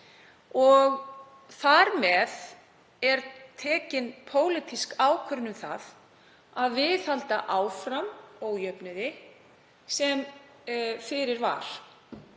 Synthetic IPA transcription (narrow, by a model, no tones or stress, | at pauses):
ɔɣ | θaɾmɛð | ɛɾt̪ʰɛːcɪnpʰoːwlɪt̪ʰiskaːwkʰœɾnʏmθa̰ð | aðvɪθhalt̪aʔaːwfɾamoːwjœpnʏðɪ | sɛm | fɪɾɪɾva̰ɾ̥